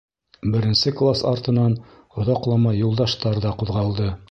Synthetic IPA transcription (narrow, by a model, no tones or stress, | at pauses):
bɘ̆ɾɘ̆nsɘklˠasɑɾt̪ɤ̆nɑn | ŏðɑqlˠɑmɑjulˠd̪ɑʃt̪ɑɾðɑquðʁɑlˠd̪ɤ